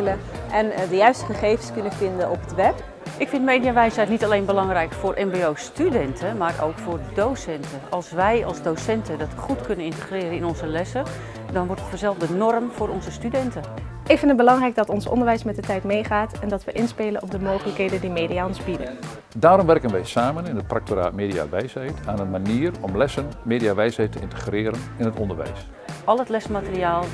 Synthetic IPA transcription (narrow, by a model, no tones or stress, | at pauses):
ləʔɛndəjœɥstəχəχejvənskɵnəfɪndəɔpətʋɛp | ʔɪkfɪntmejdijaʋɛjsɦɛjtnitalejnbəlɑŋrɛjkfʊːrʔɛmbeowstydɛntʰəmaːrʔo̰wkfʊːrdowsɛntəɑlˠsʋɛjɑ̰lˠsdowsɛntədɑtχutkɵnənɪntəχrɪːɾənɪnɔnzəlɛsə | dɑnʋɔɹtɔχfəzɛlˠvdənɔrmfʊːɾɔnzəstydɛntə | ʔɪkfɪndət̚bəlɑŋrɛjɡ̚dɑtɔnsɔ̰ndəɹʋɛjsmɛt̚dətɛjtmejχaːtɛndɑtʋəʔɪnspeːlənɔpdəmoːχələkɦejdəndimeːdijaɔnzbidə | daːɾɔmʋɛrkənʋɛjsaːmənɪnət̚prak̚toɾa̰ːtmeːdia̰ʋɛjsɛjtaːnənmaniːərɔmlɛsənmeːdiaʋɛjshɛjtʰəɪ̰ntəχrɪːɾənɪnɦətɔndəɹʋɛ̰js | ʔɑlˠətlɛsmatəriaːlˠ